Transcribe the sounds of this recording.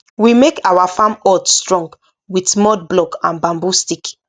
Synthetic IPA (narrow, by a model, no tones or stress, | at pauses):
wimekawafãmɔtstɹɔ̃ŋɡ | witmɔd̚blɔkãnbãmbustik